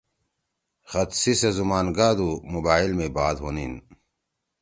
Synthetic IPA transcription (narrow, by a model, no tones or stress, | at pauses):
xɐt̪sisɐzumaːnɡaːd̪umubaːilmẽbaːd̪ɦoːnin